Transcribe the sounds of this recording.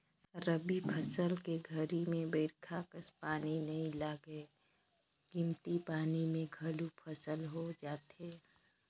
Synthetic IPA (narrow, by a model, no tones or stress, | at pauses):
ɾəbipʰəsəlkeɡʱəɾimẽbəɪɾkʰakəspaːninɐɦĩlaːɡe | ɡ̥ɪ̃mt̪ipaːnimẽɡʱɐlupʰəsəlɦod͡ʒaːt̪ɦeː